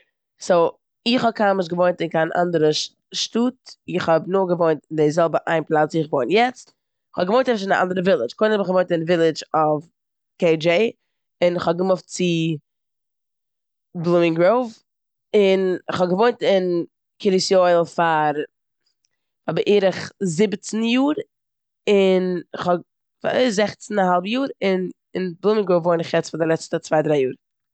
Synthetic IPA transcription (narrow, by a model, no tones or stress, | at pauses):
soʊ | ɪχɔb̚kʰaɪmɪʃ̬ɡəvoɪntɪnkaɪnʔa̰ndəɾə | ʃtuːtɪχhɔbnʊːɡəvoɪntɪndɪzɛlˠbəʔaɪnplˠat͡sɪχvoɪntjɛt͡st | ɪχɔbɡəvoɪntɛbʃɪnaʔa̰ndəɾəvɪlˠɪt͡ʃkɔʊɪnɔbɪχɡəvoɪntɪnvɪlˠɪd͡ʒɔf | keɪd͡ʒeɪ | ɪnɪχɔb̚ɡəmʊft̚t͡sɪ | blˠumɪŋɡɾoʊv | ɪnɪχhɔɡəvoɪntɪn | kɪɾisjoɪl̩ˠfaɾ | fabəʔiːɾəχzɪbt͡sn̩juːɾ | ɪnɪχɔ | fa̰zɛχt͡sn̩aɦalˠbjuːɾɪn | ɪnblˠumɪŋɡɾoʊvvoɪnɪχjɛt͡sfaɾdɪlˠɛt͡stət͡svaɪdɾaɪjuːɾ